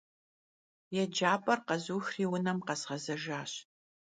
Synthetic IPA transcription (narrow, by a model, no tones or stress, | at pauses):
jɛd͡ʒaːpʼɐrqɐzuːxriːwʊnɐmqɐsʁɐzɐʒaːɕ